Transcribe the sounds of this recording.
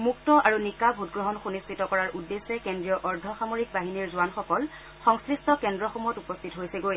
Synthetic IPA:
muk̚tɔʔaɹunikabʱutɡɹɔɦɔnxunistʰitɔkɔɹaɹʔudːesɛkendɹijɔʔɔɹdʱɔxamoɹik̚baɦiniɹzʊanxɔkɔl | xɔŋskɹistʰɔkɛndɹɔxɔmujɔtupɔst̪ʰitɔɦojsɛɡoj

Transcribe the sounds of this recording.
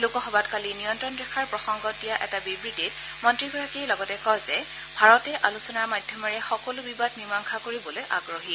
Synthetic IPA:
lʊkɔxɔbatkalinijɔntɹɔndɛkʰaɹpɹɔxɔŋɡɔt̚dijaʔɛtabibɹitit | mɔntɹiɡɔɹakijlɔɡɔtɛkɔjzɛ | bʱaɹɔtɛʔalusɔnaɹmadʱjɔmɔɹɛxɔkɔlʊbibadnimaŋkʰakoɹibɔlojʔa̰ɡɹoɦi

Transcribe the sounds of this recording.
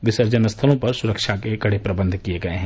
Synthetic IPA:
ʋɪsəɾd͡ʒənəst̪ʰəlõpɐɾsʊɾəkʃakeɡɐɽepɾɐbə̃nd̪ʱkijeɡɐeɦɛ̃

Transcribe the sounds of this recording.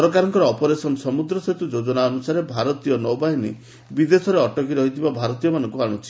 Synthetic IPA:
ɔɾɔk̬aɾɔŋkɔɾɔːpɔɾesɔnɔsɔmud̪ɾɔset̪ud͡ʒod͡ʒɔnaɔnusaɾebʱaɾɔt̪ijɔnɔwbaɦinḭ | bid̪esɔɾeɔʈɔkiɾɔɦit̪ʰibabʱaɾɔt̪ijɔmanɔŋkuaɽ̃ut͡ʃʰi̥

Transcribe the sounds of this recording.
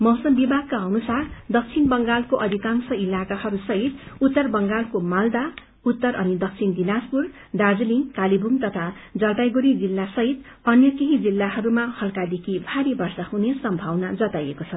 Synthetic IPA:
mʌɦsʌmbibʱaɡ̚kaʌnusard̪ʌk̚t͡sʰinbʌŋɡalkoʔʌd̪ʱikansʌilakahʌɾusʌɦit̪̚ut̪ːʌrbʌŋɡalkomald̪a | ut̪ːʌɾʌnid̪ʌk̚t͡sʰind̪inaspur | d̪ard͡zliŋkalibʱuŋt̪ʌt̪ʰad͡zʌlt̪ajɡuɾid͡zilːasʌɦit̪ | ʌnjʌkeɦid͡zilːaɦʌɾumahʌlkad̪ekʰibʱaɾebʌrsahunesʌmbʱawnad͡zʌt̪ajekot͡sʰʌ

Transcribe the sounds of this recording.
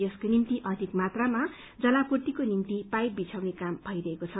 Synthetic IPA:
jʌskonimt̪iʔʌd̪ʱikmat̪rama | d͡zʌlakurt̪ikonimt̪ipaj̚bit͡sʰawnekambʱʌjɾʌɦekot͡sʰʌ

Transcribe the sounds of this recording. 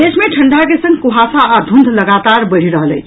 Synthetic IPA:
esmẽʈʰəɳɖakesə̃ŋɡkuɦasaːd̪ʱund̪ʱləɡat̪aɾbəɽ̤iɾəɦəlẽ

